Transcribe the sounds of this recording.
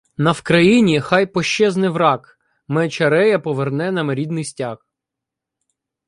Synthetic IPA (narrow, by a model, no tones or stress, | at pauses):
nɐwkɾɐjinʲixɑjpɔʃt͡ʃɛznɪʋɾɑk | mɛt͡ʃɐɾɛjɐpɔʋernɛnɐmeɾʲid̪nɪjsʲtʲak